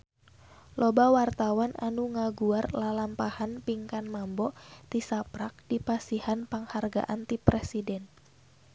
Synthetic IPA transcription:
lɔbawart̪awananuŋaɡuarlalampahanpiŋkanmambɔʔt̪isapɾak̚dipasihanpaŋharɡa̰ʔant̪ipɾɛsidɛn

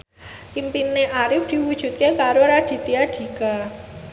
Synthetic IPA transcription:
ʔimpineʔaɾɪfd̪̥i̤wud̥ʒ̥ṳt̪̚kekaɾoɾad̪̥i̤t̪iaɖ̪̥i̤ka

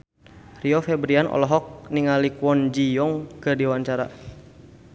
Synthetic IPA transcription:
riɔfɛbɾianʔɔ̰lɔɦɔk̚niŋalikwɔnd͡ʒijɔŋkɨrdiwant͡ʃaɾa̰

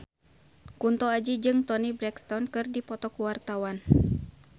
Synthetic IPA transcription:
kunt̪ɔad͡ʒid͡ʒɨŋt̪ɔnibɾɛkst̪ɔnkɨrdipɔt̪ɔkuwart̪awan

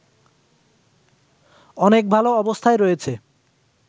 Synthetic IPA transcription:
ɔnek̚bʱaloɔbost̪ʰaeɾojet͡ɕʰe

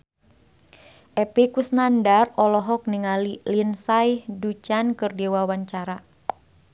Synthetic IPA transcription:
ʔɛpekusnandarɔlɔɦɔk̚niŋalilinsajhdut͡ʃankɨrdiwawaɲt͡ʃaɾa

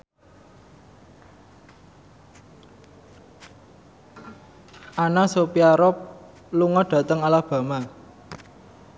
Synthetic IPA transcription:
ʔanasopiaɾɔp̚ | luŋɔɖ̥ä̤t̪əŋalahb̥ä̤ma

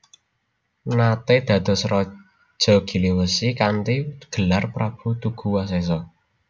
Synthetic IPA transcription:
nat̪ed̪̥ä̤d̪̥ɔ̤sɾɔ̥ | ʒ̥ɔ̤ɡ̥i̤liwəsikant̪iɡ̥ə̤larpɾab̥ṳt̪uɡ̥ṳwases̬ɔ

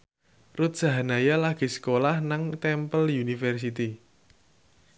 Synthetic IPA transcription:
rut̪̚sa̤ɦanajalaɡ̥i̤sə̥kolahnaŋt̪ɛmpəljunifɛrs̬it̪i

